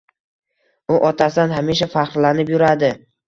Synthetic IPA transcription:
ʊʔɒt̪ʰasɪd̪anhamiʃ̬afaχɾlanɪpjʊɾad̪ɪ

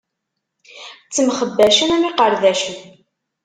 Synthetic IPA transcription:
t͡sːəmχəbːæʃənæmiqəɾðæʃən

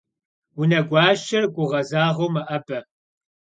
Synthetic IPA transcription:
wʊnɐɡʷɑːʃɐrkʷʼʊʁɐzaːʁɐwmɐʔɐbʼɐ

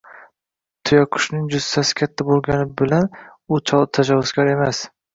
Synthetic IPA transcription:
t̪ʰʊjɒkʰʊ̥ʃnɪŋd͡ʒʊzt̪asɪ̥kʲʰat̪ʰːabolˠɡʲanɪbɪlanʊt͡ʃʰɒlˠt̪ʰad͡ʒavʊzkʲʰaɾe̞mas

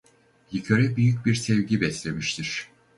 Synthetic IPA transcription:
jicʰøɾɛbyjycbiɾsɛvɟibɛslʲe̞miʃt̪ʰiɾ̥

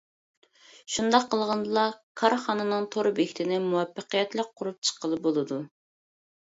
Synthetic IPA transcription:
ʃund̪ɑqʰːəlˠʁɑnd̪ɨlˠɑkʰɑɾχɑnɨnɨŋt̪ʰoɾbekʲi̥t̪ʰɪnɪmuwɑpːəqəjɛt̪lˠək̚qʰʊɾup̚t͡ʃʰə̥qəlˠɨbolˠɨd̪u

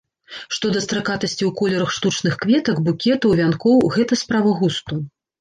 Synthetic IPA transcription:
ʂt̪ɔd̪ɐst̪ɾakat̪ɐsʲt͡sʲiwkɔlʲɛɾɐxʂt̪ut͡ʂnɨxkvʲɛt̪ɐkbukʲɛt̪ɐwvʲankɔwɣɛt̪ɐspɾavɐɣust̪u

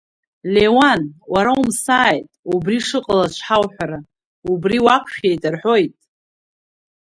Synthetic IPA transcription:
le̞wanwaɾaumsaːjtʼubriʂɨqʼalat͡ʃʷʰħawħʷᶣaɾa | ubriwakʷʰʃʲejtʼarħo̞jtʼ

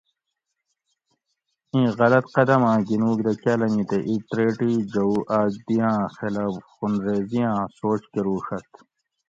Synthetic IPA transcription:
ĩːɣɐlɐt̪qɐd̪ɐmãːɡinuːkd̪ɐkɐːlɐmĩt̪eʔit̪ɾeːʈiːd͡ʑɐuʔaːd͡ʑ̚d̪ijãːxelaːbxunɾeːzijãːsoːt͡ɕkeɾuːʂɐt̪

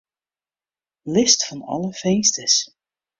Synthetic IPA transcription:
lɪstfɑnɑ̰lˠəfejnstəs

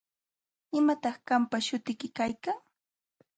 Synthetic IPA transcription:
ɪmat̪ɑχkampaʃʊt̪ɪkɪkajkaŋ

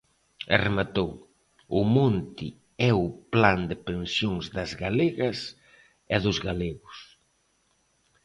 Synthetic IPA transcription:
ḛremat̪ow | ʊmont̪i | ɛʊpland̪ɪpensjoŋzðɐzɣaleɣɐs | ɛðʊzɣaleɣʊs

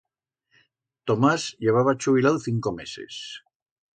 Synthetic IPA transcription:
t̪omazʎeβ̞aβat͡ʃuβ̞ilaðθiŋkomesḛs

